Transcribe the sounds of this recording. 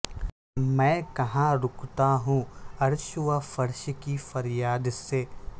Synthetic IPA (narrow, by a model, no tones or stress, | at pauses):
mɛ̃ːkɐɦãɾʊkt̪aɦũːɐɾʃʊʋafɐɾʃkifɐɾjaːd̪seː